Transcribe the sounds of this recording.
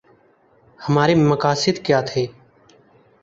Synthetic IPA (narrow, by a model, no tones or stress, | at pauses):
həmaːɾeːməkaːsɪd̪kjaːt̪ʰeː